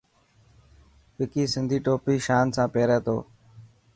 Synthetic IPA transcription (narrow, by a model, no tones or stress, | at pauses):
pɪkiːsɪ̃nd̪ʱiːʈoːpiːʃaːnsãːpeːɾɛ̃ːt̪o̰ː